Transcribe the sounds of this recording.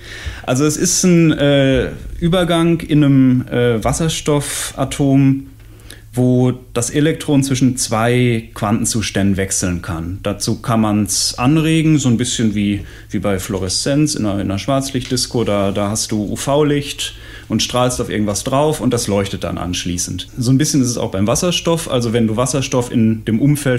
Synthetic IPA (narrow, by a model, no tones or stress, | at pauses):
ʔalzoɛsɪstn̩ʔɛːʔyːbɐɡaŋʔɪnəmʔɛːvasɐʃtɔfʔa̰tʰoːm | voːd̥asʔelɛk̚tʁ̥oːnt͡sv̥ɪʃn̩t͡sv̥aɪkv̥antn̩t͡suːʃtɛndn̩vɛksl̩n̩kʰand̥at͡suːkʰanmansʔanʁeːɡŋ̩zoːnbɪsçənviː | viːbaɪflɔʁɛst͡sɛnsɪ̰nɐɪnɐʃv̥aɐt͡slɪçt̚d̥ɪskodaːdaːhastd̥uːʔṵːfaʊlɪçt | ʔʊntʃtʁ̥aːlstaʊfʔɪɐɡŋ̩tv̥asd̥ʁaʊfʊnt̚d̥aslɔʏçtət̚d̥a̰nʔa̰nʃliːsn̩tzoːnbɪsçənɪstɛsa̰ʊxb̥aɪmvasɐʃtɔfʔa̰lzovɛnduːvasɐʃtɔfɪ̰ndeːmʔʊmfɛl